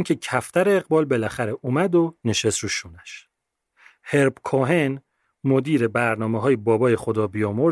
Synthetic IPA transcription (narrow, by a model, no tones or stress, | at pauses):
ncʲʰecʰæft̪ʰæɾeːɣbɒːlbe̞læxæɾeʔumæd̪one̞ʃe̞st̪ɾuʃuːnæʃ | heɾbkʰoɦen | mod̪iːɾe̞bæɾnɒːmeɦɒːjebɒːbɒːje̞xod̪ɒːbijɒːmoɾ